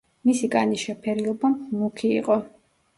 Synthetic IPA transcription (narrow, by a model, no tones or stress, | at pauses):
misikʼaniʃɛpʰɛɾilˠɔbamukʰḭːqʼɔ